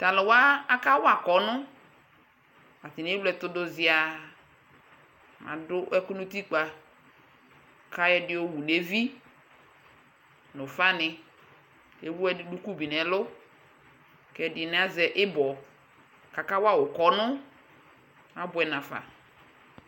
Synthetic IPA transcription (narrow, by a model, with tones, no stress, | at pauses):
ta˨lɪ˨wa˦a˦ka˦wa˨kɔ˨˦nʊ˦ | a˨tɪ˨n˨e˦wlɛ˦˨tʊ˦dʊ˦zɪ˨a˨ | mã̰˨dʊ˦ʔɛ˦kʊ˦nʊ˦ti˦k͡pa˨ | kʰa˦jɛ˦dɪ˦o˦wu˨ne˦vi˦ | nʊ˨fa˦nɪ˨ | e˨wu˦ɛ˦ɪ˦du˦ku˦bi˨n˨ɛ˨˦lʊ˦ | kɛ˦dɪ˨nɪ˦˨˦a˦zɛ˨ʔɪ˦bɔ˨ | ka˨ka˦wa˦˨wʊ˨kɔ˨nʊ˦ | a˦bʊ˨˦ɛ˨nã˨fa̰˨